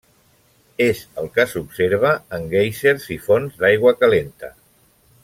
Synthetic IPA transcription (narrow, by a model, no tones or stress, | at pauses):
ezəlˠkəsupseɾβ̞əːŋɡejseɾzifonzd̪ajɣ̞wəkalent̪ə̰